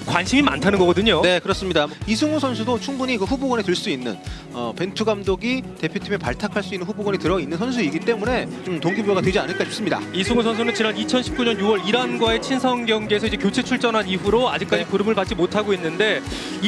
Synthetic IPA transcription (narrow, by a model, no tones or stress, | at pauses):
kwanɕʰimima̰ntʰanɯnɡʌɡʌdɯɲone̞kɯɾʌs͈ɯmɲidaisʰuŋosʰʌnsʰudot͡ɕʰuŋbuɲikɯɸuboɡwʌnetɯɭs͈uinːɯ̰n | ʌpe̞ntʰuɡamdoɡite̞pʰjotʰimepaɭtʰakʰaɭs͈uinːɯnɸuboɡwʌɲitɯɾʌinːɯnsʰʌns̬ʰuiɡit͈e̞mune̞t͡ɕomtoŋɡibuɡatwe̞d͡ʑianɯɭk͈aɕʰi̥ps͈ɯmɲida̰isʰuŋusʰʌnsʰunɯnt͡ɕinanit͡ɕʰʌnɕʰi̥p̚k͈uɲʌnjuwʌɾiɾanɡwae̞t͡ɕʰinsʰʌŋɡjʌŋɡesʰʌid͡ʑe̞kjot͡ɕʰe̞t͡ɕʰuɭt͡ɕ͈ʌnɦaniɸuɾoad͡ʑik͈̚ad͡ʑikuɾɯmɯɭpat̚t͡ɕ͈imotʰaɡoinːɯnde̞